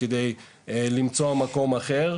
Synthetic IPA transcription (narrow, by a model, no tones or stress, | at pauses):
ed̪e̞j | elimt͡soamako̞maχe̞ʁ